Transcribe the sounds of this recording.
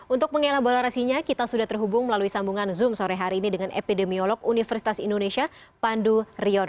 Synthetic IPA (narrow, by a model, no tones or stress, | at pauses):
unt̪ʊk̚məŋelahbolaɾasiɲakit̪asudaht̪ərɦubʊŋməlaluisambuŋanzʊmsoɾɛɦaɾiːnidəŋanʔḛpidemiolɔɡunifərsi̥t̪asindonesia | panduriɔr